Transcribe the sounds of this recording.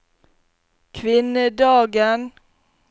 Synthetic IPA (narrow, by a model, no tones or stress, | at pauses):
kʰʋɪnəd̪ɑːɡən